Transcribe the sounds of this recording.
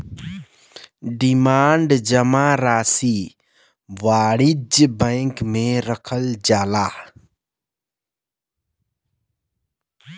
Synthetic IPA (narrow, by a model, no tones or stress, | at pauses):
ɖimaːɳɖd͡ʒəmaɾaːsi | ʋaːɽid͡ʒbə̃ɪkmẽɾəkʰəld͡ʒaːla